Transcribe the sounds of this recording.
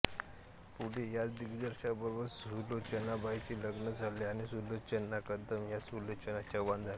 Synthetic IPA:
puɽijat͡sd̪iɡd͡zəɾɕabəɾʋəsulot͡ɕənabait͡ɕiːləɡnəd͡zʱaleaɽ̃isulot͡ɕənːakəd̪əmjasulot͡ɕənat͡ɕjaʋand͡zʱale

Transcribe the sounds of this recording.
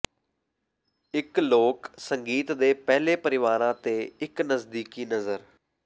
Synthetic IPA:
ɪkloːksəŋɡiːt̪d̪eːpɛːleːpəɾɪʋaːɾãːt̪eːɪknəsd̪iːkiːnəzəɾ

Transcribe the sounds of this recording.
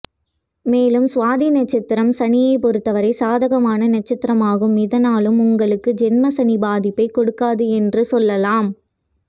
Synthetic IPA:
meːlɯmsʋaːðinɐʈ̚t͡ʃːɪt̪ːɪɾɐmsɐnɪjɐɪpɔɾɯt̪ːɐʋɐɾɐɪsaːðɐɣɐmaːnɐnɐt͡ʃːɪt̪ːɪɾɐmaːɣɯmɪðɐnaːlɯmʊŋɡɐɭɯkːɯd͡ʒɛnmɐsɐnɪbaːðɪpːɐɪkːɔɽɯkːaːðɯɛndrɯsɔlːɐlaːm

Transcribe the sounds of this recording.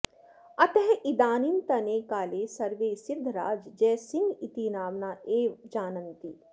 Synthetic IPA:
ɐt̪eɦid̪aːnint̪ɐneːkaːleːsɐɾʋeːsɪd̪ʱːɾa̰ːd͡ʒd͡ʒɛːsɪ̃ŋɡit̪iːnaːʋnaːeːʋd͡ʒaːnənt̪iː

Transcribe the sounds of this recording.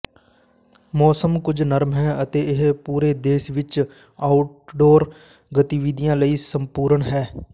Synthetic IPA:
mɔːsəmkʊd͡ʒnəɾmɦɛːət̪eːɪɦpuːɾeːd̪eːʃʋɪt͡ʃ | aːʊʈ̚ɖoːɾ | ɡət̪iʋid̪ɪjãːləiːsəmpuːɾəɳɦɛː

